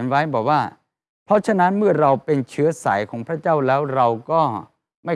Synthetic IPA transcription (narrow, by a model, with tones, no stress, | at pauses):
nwa˦˥jbɔː˨˩k̚waː˥˩ | pʰɾɔ˦˥t͡ɕʰa˧na˦˥nmɯ˥˩ɐɾa˧wpe˧nt͡ɕʰɯ˦˥ɐsa̰ː˩˦jkʰɔː˩˦ŋpʰɾa˥t͡ɕaː˥˩wlɛː˦˥wɾa˧wkɔː˥˩ | ma˥˩